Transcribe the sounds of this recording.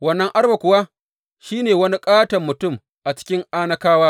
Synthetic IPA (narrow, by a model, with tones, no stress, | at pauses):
wɐ˦nːɐ˦ŋʔa˦rba˨kʷʊ˨wa˦ | ʃiː˦neː˨wɐ˦ni˦kʼaː˦tɐ˨mːʊ˨tʊ˦˨m | ʔa˨t͡ʃɪ̥˦kʲɪ˦ŋʔaː˦nɐ˦kaː˦waː˦